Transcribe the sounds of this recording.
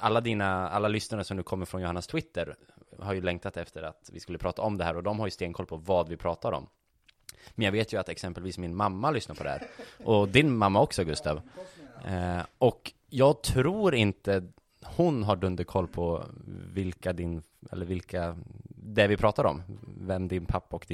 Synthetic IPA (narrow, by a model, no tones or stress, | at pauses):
ʔalːad̪iːnaa̰lːalʏsnaɾəsɔmd̪ʉ̟ːkʰɔmːəɾfɾɔnjʊhanːast̪ʰwɪt̪ːəɾ | haɾjɵlɛŋkt̪ʰat̪ɛft̪ʰəɾa̰t̪vɪskɵlːəpʰɾɑːt̪ʰaɔmd̪ɛhæːɾɔd̪ɔmhaɾjɵst̪eːɡŋkʰɔlːpʰɔvɑːd̪vɪpʰɾɑːt̪aɾɔ̰m | mɛnjɑːɡveːt̪jɵat̪ɛksɛmpəlviːsmɪnmamːalʏsnaɾpʰɔd̪ɛhæ̰ːɾʔɔd̪ɪnmamːaɔksɔɡɵst̪ɑ̰ːv | ʔɔk | jɑːɡ̚t̪ʰɾuːɾɪnt̪ə | hʊnɦaɖɵnd̪əɾkʰɔlːpʰɔvɪlkad̪ɪn | ɛ̰lːəɾvɪlkʰad̪ɛvɪpʰɾɑːt̪aɾɔ̰mvɛmːd̪ɪnpʰapːaɔkd̪ɪ